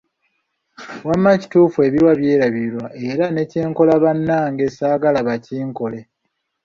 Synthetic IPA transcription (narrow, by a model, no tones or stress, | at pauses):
wamːaci̥tuːfue̞βiɾwaβje̞ːɾaβiɾwaʔe̞ɾane̞ce̞ːŋko̞laβanːaːŋɡesaːɡalaβaciːŋko̞le̞